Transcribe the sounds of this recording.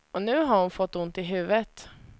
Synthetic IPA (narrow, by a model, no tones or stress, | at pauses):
onʉːɦɑɾhʊnfɔt̪ːʊnt̪iɦʉːʋət̪